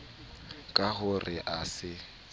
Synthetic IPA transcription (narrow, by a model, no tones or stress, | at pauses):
kʼahʊrʔɪʔasɪ